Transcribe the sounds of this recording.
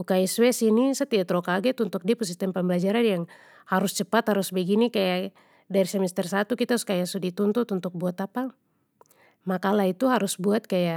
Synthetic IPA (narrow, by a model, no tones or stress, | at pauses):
ukaiswɛsinisət̪iat̪ɾɔkaɡɛt̪unt̪uk̚diapus̬ist̪ɛmpəmbəlad͡ʒaɾanjaŋ | haɾust͡ʃəpat̪haɾusbɛɡinikaja | daiɾisɛmɛst̪ɛrsat̪ukit̪askajasudit̪unt̪ut̪unt̪ʊk̚buat̪apa | makalait̪uɦaɾusbuat̪̚kaja